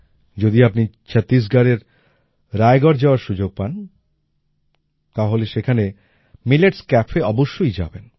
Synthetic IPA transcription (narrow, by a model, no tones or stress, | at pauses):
d͡ʑod̪iapni | t͡ɕʰat̪is̬ɡaɾeɾ | ɾaeɡɔɾd͡ʑaoaɾʃud͡ʑoɡ̚pan | t̪aɦoleʃekʰane | mileʈskɛpʰeɔboʃːojd͡ʑa̰ben